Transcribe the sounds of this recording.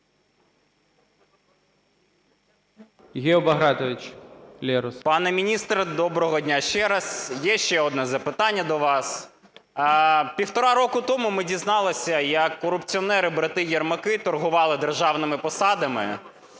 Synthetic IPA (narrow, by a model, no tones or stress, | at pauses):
ɣʲiɔbɐɦɾɑt̪ɔʋʲit͡ʃlʲɛɾʊspɑnɛmʲinʲist̪ɾɐd̪ɔbɾɔɦɔdʲnʲaʃt͡ʃɛɾɐsjɛʃt͡ʃɛɔd̪nɛzɐpɪt̪ɑnʲːɐd̪ɔʋɑs | pʲiwt̪ɔɾɑɾɔkʊt̪ɔmʊmɪdʲiznɑlˠɪsʲɐjɐkːɔɾʊpt͡sʲiɔnɛɾɪbɾɐt̪ɪjɐrmɐkɪt̪ɔrɦʊʋɑlˠɪd̪erʒɑwnɪmɪpɔsɑd̪ɐmɪ̰